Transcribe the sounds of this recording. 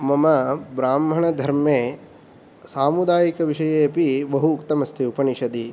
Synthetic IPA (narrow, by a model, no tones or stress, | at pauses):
mɐmɐbɾaːmʱɐɳɐd̪ʱɐɾmeː | saːmud̪aːjikɐʋiʂɐjeːpibɐɦuːkt̪ɐmɐst̪ʰiupɐniʃɐd̪i